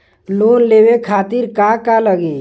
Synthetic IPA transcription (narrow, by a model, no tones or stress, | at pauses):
lonlebekʰat̪iɾkakaləɡe